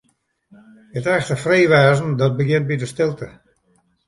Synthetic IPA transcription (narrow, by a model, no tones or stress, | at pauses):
ətɛxtəfreːʋɛːzn̩dɔt̚bəɡjɪnt̚bidəstɪlˠtə